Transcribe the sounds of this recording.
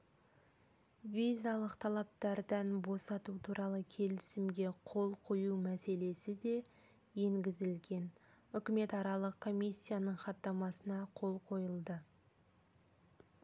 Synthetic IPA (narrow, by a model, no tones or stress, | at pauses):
vijzalˠəqt̪ʰɑlˠɑp̚t̪ɑɾd̪ɑnbo̞sɑt̪ut̪ʰuɾʔɑlˠəkʲʰe̞lɪsɪmɡʲe̞qʰo̞lˠqʰo̞jumæse̞le̞sɪd̪e̞ | je̞ŋɡʲɪzɪlɡʲe̞nʏkʲɪme̞t̪ɑɾɑlˠəqkʰːo̞mijsʲːijanəɴχɑt̪ːɑmɑsənɑqʰo̞lˠqʰo̞jəlˠd̪ə